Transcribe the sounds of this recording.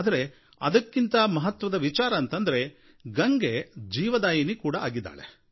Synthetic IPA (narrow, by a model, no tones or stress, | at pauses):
d̪ɐɾe̞ | ɐ̰d̪ɐkːint̪ɐmɐɦɐt̪ʋɐd̪ɐʋit͡ʃaːɾɐːnt̪ɐnd̪ɐɾe̞ | ɡɐŋɡed͡ʒiːʋɐd̪aːjɐnikuːɽɐaːɡid̪ːa̰ːɭe